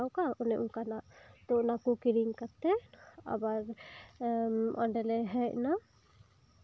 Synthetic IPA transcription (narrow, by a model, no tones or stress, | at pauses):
awkaunɛʔukanaʔt̪ɔnakukiɾiŋkat̪ɛa̰baɾ | ɔ̰ɳɖɛlɛɦɛcna